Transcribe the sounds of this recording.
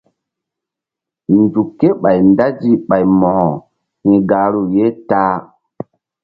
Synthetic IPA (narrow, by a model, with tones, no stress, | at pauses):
ndu˨kːe˦ɓa˨jnda˦d͡ʒi˦ɓa˨jmɔ̃˨ | hĩ˨ɡa˨ɾu˦˨je˦ta˦